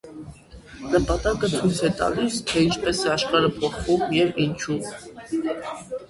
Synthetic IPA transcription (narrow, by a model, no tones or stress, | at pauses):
nəpɑt̪ɑkət͡sʰujt͡sʰɛt̪ɑ̰list̪ʰɛint͡ʃʰpɛsɛɑʃχɑɾəpʰɔχvumjɛvint͡ʃʰu